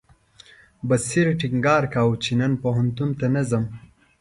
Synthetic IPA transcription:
bɐsiɾʈiŋɡaːɾkaːwt͡ʃinɐnpoɦɐnt̪unt̪anɐzɐm

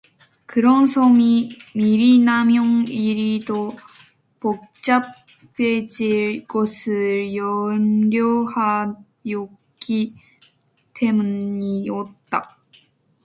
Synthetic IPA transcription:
kɯɾʌnsʰʌmimiɾinamjoŋiɾido | pok̚t͡ɕ͈ap͈ | ed͡ʑiɭkosʰɯɾjʌmɾjoha | jo | ɡi | te̞muɲiot̚t͈a

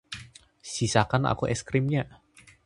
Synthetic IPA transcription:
sisakanʔa̰kuʔɛskɾimɲa

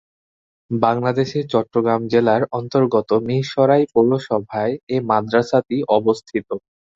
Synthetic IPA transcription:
baŋlad̪eʃeɾt͡ɕɔʈːɾoɡɾamd͡ʑelaɾɔnt̪oɾɡot̪omiʃɔɾajpowɾoʃɔbʱaeemad̪ɾasat̪iʔɔbost̪ʰit̪o

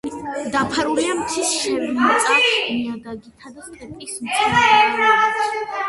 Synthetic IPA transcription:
d̪apʰaɾuliamt̪sʰisʃɛvinaamiaɡ̪aɡit̪ʰad̪ast̪ʼupʼismʰʼi

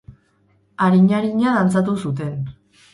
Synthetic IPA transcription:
aɾiɲaɾiɲaðant͡sat̪̬usut̪̬e̞n

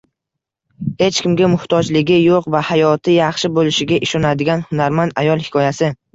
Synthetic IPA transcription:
he̞t͡ʃkʲɪmɡʲamʊht̪ʰɒd͡ʒlɪɡʲɪjoqvahajɒt̪ʰɪjɑχʃɪbolɪʃɪɡʲaʔɪʃɒnad̪ɪɡʲanhʊnaɾmand̪ajɒlˠhɪ̥kʰʲɒjasɪ

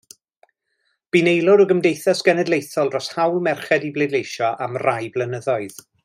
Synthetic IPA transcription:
b̥inejlˠɔɾəɡəmdejθasɡ̥ɛnɛdlˠejθɔlˠdrɔshawlˠmɛrχɛdiblejdlejʃɔʔamrajblˠənəðɔɨð̥

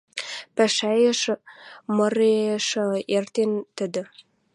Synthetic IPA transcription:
pæʃæjə̆ʃ | mɤ̆ɾeʃə̆ert̪ent̪ə̆d̪ə̆

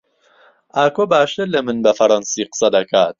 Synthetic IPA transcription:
aːkoːbaːʃt̪ɨɾlɐmɨnbɐfɐɾˤɑnsiːqɨ̥sɐd̪ɐkʰaːt̪̚

